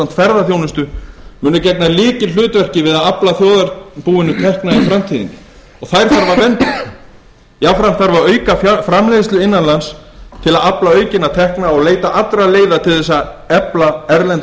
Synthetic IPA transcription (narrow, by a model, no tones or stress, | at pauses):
am̥t̪fɛɾðaθjoːwnɪst̪ʏmʏːnʏcɛt̪nalɪːcɪlʏːt̪vɛr̥cɪvɪðaðaplaθjoːwðaɾpuːɪnʏt̪ʰɛhknaifɾam̥t̪ʰiːðɪ̰n | ɔɣθajɾ̥θaɾvaɾvɛnt̪ɪ | jafɾam̥t̪θaɾvaɾœːɥkafɾamleːjðɪst̪ʏɪnːanlanst̪ʰɪlaðaplaœːɥcɪnat̪ʰɛhknaɔɣleːjt̪aʔat̪ɾaleːjðat̪ʰɪlθɛs̬ːaɛplaɛɾlɛnt̪